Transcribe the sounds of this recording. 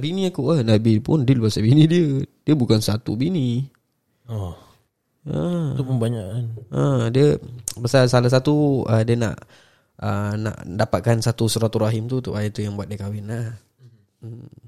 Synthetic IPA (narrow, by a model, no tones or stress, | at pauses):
biniakuʔənabipʊndiəlubasabinidiədiəbukansat̪ṵbini | ɔh | əupəmbaɲaʔanədiəbəsasalas̬at̪uədiəna̰ʔ | əna̰ʔdapat̪̚kansat̪usuɾat̪uɾaɦɪmt̪ut̪ṵʔat̪ujaŋbuat̪̚dikawɪnlah̩